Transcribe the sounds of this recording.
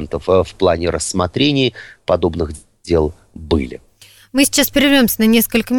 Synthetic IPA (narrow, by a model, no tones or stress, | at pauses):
nt̪əffplˠanʲɪɾʔəsːmɐt̪ɾʲenʲɪːpɐd̪o̞bnɨxʲ | elˠ | bɨ̰lʲɪ̰ | mɨsʲɪ̥t͡ɕːaspʲɪɾʲɪvʲɾʲo̞msʲənɐnʲe̞skəlʲkəmʲ